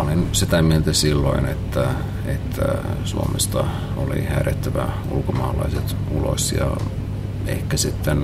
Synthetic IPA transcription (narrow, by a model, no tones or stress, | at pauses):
olinsit̪æmielt̪æsilːoinet̪ːæ | et̪ʰːæ̰suomest̪ɑ | olḭhæːɾet̪ːæʋæ | ṵlkomɑːlɑiset̪ | ulo̰sjɑ̰ | eikːæsit̪ːen